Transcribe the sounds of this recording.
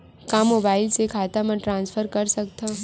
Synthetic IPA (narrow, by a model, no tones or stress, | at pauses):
kamoːbaːɪlsekʰaːt̪amə̃ʈɾãːnsfʰəɾkɐɾsɐk̚t̪aː